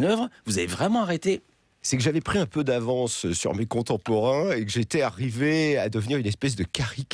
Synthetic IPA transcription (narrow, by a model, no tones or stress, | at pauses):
nœvʁvuzavevʁɛmɑ̃aʁet̪e | sɛkəʒavɛpχiɛ̃pød̪avɑ̃ssy̰ʁmekɔ̃t̪ɑ̃pɔʁɛ̃ekəʒt̪ɛaʁivead̪əvniʁynɛspɛs̬d̪əkaʁik